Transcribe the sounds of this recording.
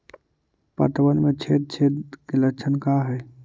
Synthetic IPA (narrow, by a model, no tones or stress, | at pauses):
pə̰t̪bənmet͡ʃʰet̪̚t͡ʃʰet̪kelət͡ʃʰənkaɦɛ